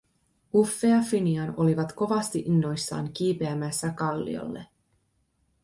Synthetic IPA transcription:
ufːeɑfiniɑno̞liʋɑt̪ko̞ʋɑst̪iʔinːo̞jsːɑ̰ːŋk̟iːpe̞æmæsːækɑlːḭo̰lːe̞̰

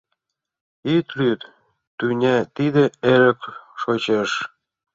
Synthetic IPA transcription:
it̪lyt̪ | t̪ynʲæt̪id̪ĕeɾə̆kʃot͡ɕeʃ

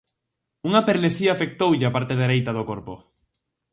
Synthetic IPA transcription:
uŋapeɾleθiaːfek̚t̪owʎɪapaɾt̪eðeɾejt̪aðokoɾpo

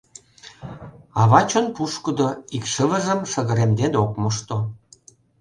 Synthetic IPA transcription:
ɑβɑt͡ɕŏnpuʃkə̆d̪oikʃəβə̆ʒə̆mʃə̆ɣə̆ɾemd̪enokmoʃt̪o

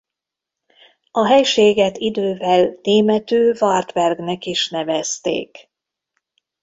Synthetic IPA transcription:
ɒɦɛjʃeːɡɛt̪id̪øːvɛlneːmɛt̪øːvɒrt̪vɛrɡnɛkiʃnɛvɛst̪ḛːk

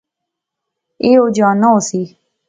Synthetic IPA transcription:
eːoːd͡ʒãːnaosiː

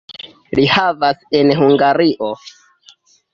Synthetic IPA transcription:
lihavasenhuŋɡaɾiʔo

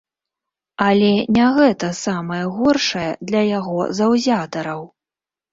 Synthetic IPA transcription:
ɐlʲɛnʲaɣɛt̪ɐsamɐjɛɣɔrʂɐjɛd̪lʲɐjaɣɔzɐwzʲat̪ɐɾɐw

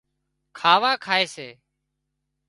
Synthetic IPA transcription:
kʰaːʋãːkʰaːeːseː

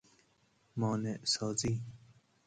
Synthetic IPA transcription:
mɔːneʔsɑːzi

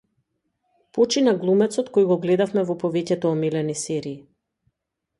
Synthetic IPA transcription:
pɔt͡ʃinaɡlˠumɛt̪sɔt̪kojɡɔɡlɛd̪afmɛvɔpɔvɛcɛt̪ɔːmilɛnisɛɾiː

